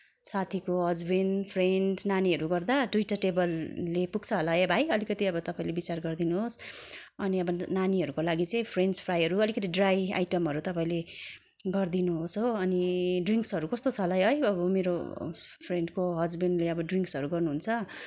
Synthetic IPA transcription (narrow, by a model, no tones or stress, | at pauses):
sat̪ʰikoɦʌd͡zbenpʰrenɖnaniʌɾuɡʌrd̪ad̪ujʈaʈebʌlːepuɡ̚t͡sʰʌɦʌlaebʱajʌlikʌt̪iʌbʌt̪ʌpaĩlebit͡sarɡʌrd̪inuɦos | ʌniʌbʌnaniɦʌɾukolaɡit͡sʌĩpʰrenspʰrajʌɾuʌlikʌt̪iɖraja̰jʈʌmɦʌɾut̪ʌpaĩle | ɡʌrd̪inuɦosɦoʌniɖriŋksʌɾukʌst̪ot͡sʰʌlʌjɦʌjʌbʌmeɾopʰreɳɖkoɦʌd͡zbenɖleʌbʌɖriŋksʌɾuɡʌrnuɦunt͡sʰʌ